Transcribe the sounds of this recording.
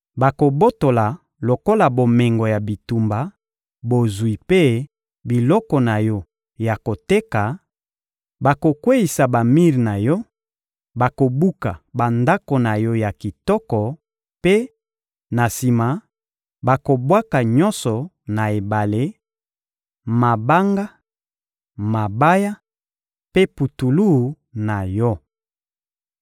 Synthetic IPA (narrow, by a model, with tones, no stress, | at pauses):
ba˨ko˨bo˦to˨la˨ | lo˨ko˦la˨bo˨me˨ŋɡɔ˨ja˨bi˨tu˨mba˨ | bo˨zwi˨pe˦ | bi˨lɔ˦kɔ˨na˨jɔ˦ | ja˨ko˨te˦ka˨ | ba˨ko˨kwe˦i˨sa˨ba˨mi˦ʁi˨na˨jɔ˦ | ba˨ko˨bu˦ka˨ba˨nda˦ko˨na˨jɔ˦ja˨ki˨tɔ˦kɔ˨ | pe˦ | na˨si˨ma˨ | ba˨ko˨bwa˦ka˨ɲɔ˦nsɔ˨ | na˨e˨ba˨le˦ | ma˨ba˦ŋɡa˦ | ma˨ba˦ja˦ | pe˦pu˨tu˨lu˦˨˦ | na˨jɔ˦